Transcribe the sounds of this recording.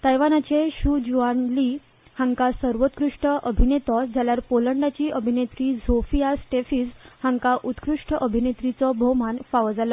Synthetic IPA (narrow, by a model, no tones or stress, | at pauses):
t̪əjʋanat͡ɕeɕud͡ʑuanli | hãŋkasəɾʋot̪kɾuʂʈəʔəbʱinet̪ɔd͡zʱaljaɾpoləɳɖat͡ɕiːʔəbʱinet̪ɾid͡zofijasʈefiːd͡zhãŋkaʔut̪kɾuʂʈəʔəbʱinet̪ɾit͡sɔbʱomanfaʋd͡zalɔ